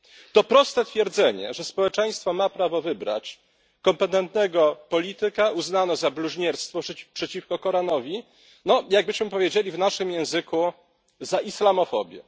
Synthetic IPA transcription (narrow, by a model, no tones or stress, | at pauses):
t̪ɔpɾɔst̪ɛt̪fʲjɛɾd̪zɛɲɛ̰ʐɛspɔwɛt͡ʂɛj̃st̪fɔmapɾavɔvɘbɾa̰t͡ɕ | kɔmpɛt̪ɛnt̪nɛɡɔpɔlʲit̪ɘkauznanɔzabluʑɲɛɾst̪fɔpʂɛt͡ɕifkɔkɔɾanɔvʲi | nɔjaɡ̚bɘɕmɘpɔvʲjed͡ʑelʲivnaʂɘmjɛ̃w̃zɘku | zaʔislamɔfɔ̰bʲjɛ̰